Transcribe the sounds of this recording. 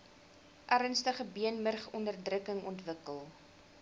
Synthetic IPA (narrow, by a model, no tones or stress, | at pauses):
ʔærənstəχəbiənmərχɔndərdrəkəŋɔntvəkəlˠ